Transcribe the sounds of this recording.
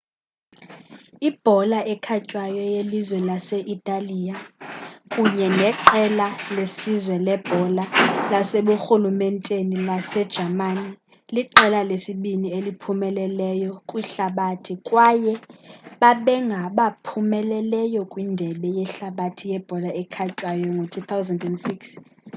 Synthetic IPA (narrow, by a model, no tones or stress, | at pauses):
ib̥ʱɔlaʔɛkʰacʼwajɔjelizwɛlaseʔitʼalija | kʼuɲɛnɛǃɛlalesizwɛlɛb̥ʱɔlalaseɓuxulumɛntʼenilasɛd̥ʒ̥ʱamani | liǃɛlalesiɓinielipʰumɛlɛlɛjɔkʼwiɬaɓatʰikʼwajɛɓaɓɛŋɡʱaɓapʰumɛlɛlɛjɔkʼwindʱɛɓɛjɛɬaɓatʰijɛb̥ʱɔlaɛkʰat͡ʃʼwajɔŋɡʱotʰut̪ʰawzandɛndsiks